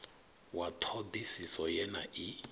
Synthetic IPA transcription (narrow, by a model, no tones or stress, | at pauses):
wat̪ʰɔd̪isisɔjɛna̰ʔi